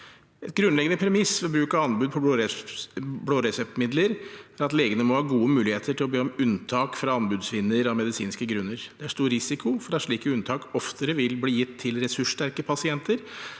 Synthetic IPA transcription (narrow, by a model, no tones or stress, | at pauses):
ɛt̪ɡɾʉnlɛɡənəpʰɾɛmɪsfɛɔbɾʉːkɑɑnbʉːd̪̚pʰɔ | bloːɾɛsɛp̚t̪mɪd̪ləɾæɾɑt̪leːɡənəmɔhɑːɡuːəmʉːlɪheːt̪əʈʰɪlɔbeːɔmʉnt̪ʰɑːkfɾɑɑnbʉːd̪sʋɪnːəɾɔmɛd̪ɪsiːnskəɡɾʉnːəɾd̪̥ɛæʂt̪uːɾɾɪsɪkʊfɔɾɑʂɭiːkəʉnt̪ʰɑːkɔft̪ʰəɾəʋɪlbliːjɪt̪ʰːɪlɾɛsʉʂːʈæɾkəpʰɑsɪɛnt̪ʰəɾ